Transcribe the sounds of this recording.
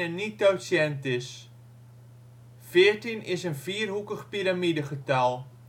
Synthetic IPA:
ənit̚dowsjɛntɪs | fɪərtinɪsənviːərɦukəχpiɾamidəχətalˠ

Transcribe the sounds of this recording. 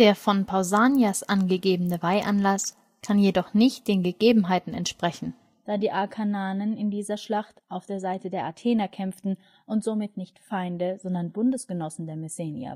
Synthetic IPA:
d̥eːɐfɔnpʰaʊzaːnjasʔanɡəɡeːbənəvaɪʔanlas | kʰanjedɔχnɪçt̚d̥eːnɡəɡeːbm̩ɦaɪtn̩ɛ̰ntʃpʁ̥ɛçn̩ | d̥aːdiːʔakʰanaːnənɪndiːzɐʃlaχtʔaʊfd̥eːɐzaɪtədeːɐʔatʰeːnakʰɛmftn̩ | ʔʊntz̥omɪtnɪçtfaɪndəzɔndɐnbʊndəsɡ̥ənɔsn̩deːɐmɛseːnja̰

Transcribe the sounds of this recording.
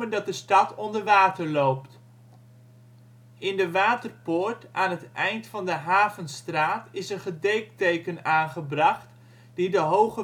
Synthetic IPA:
əndɑt̚dəstɑtʰɔndəɹʋaːtəɹlowpt | ɪndəʋaːtərpʊːɹtʔaːnɦətɛjntfɑndəɦaːvənstraːtɪsənχədejk̚tejkənaːnχəbrɑχt | d̥idəɦowχə

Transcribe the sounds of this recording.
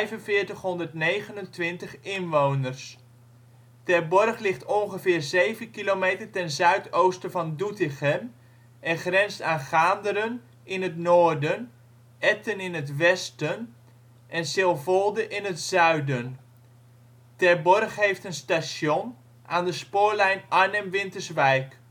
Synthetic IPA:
ɛjvənvɪːɹtəχɦɔndərtnejχənəntʋɪntəχɪnʋownərs | tɛɹbɔrχlɪχtɔnχəvɪːrzejvənkilomejtərtɛnzœɥtowstəvɑndutɪχən | ʔɛnχrɛnstaːnχaːndəɾən | ʔɪnətnoːɹdən | ʔɛtənɪnətʋɛstən | ʔɛnsɪlˠvɔlˠdəʔɪnətzœɥdən | tɛɹbɔrχɦejftənstasjon | ʔaːndəspʊːɹlɛjnʔaɹnəmʋɪntəɹsʋɛjk

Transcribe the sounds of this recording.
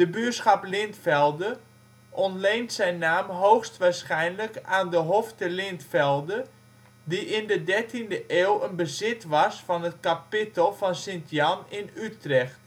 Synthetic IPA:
d̥əbyəsχɑplɪntfɛlˠdə | ʔɔntlejntsɛjnːaːmɦowxstʋaːsχɛjnləkaːndəɦoftəlɪntfɛlˠdə | diʔɪndədɛɹtʰindəʔeːlˠənbəzɪtʋɑsfɔnət̚kapɪtəlˠfɔnsɪntjɑnɪnytrɛxt

